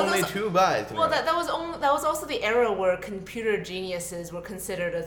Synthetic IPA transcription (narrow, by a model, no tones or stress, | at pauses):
nlitʰʉbaɪwɛlˠðət̚ðət̚wʌzõʊ̃nðət̚wʌzɔlˠsoʊðiʔɛɹəwə˞kʰə̃mpʰj̥ʉɾə˞d͡ʒĩnjɨsɪzwə˞kʰɨ̃nsɪɾə˞ɾɨz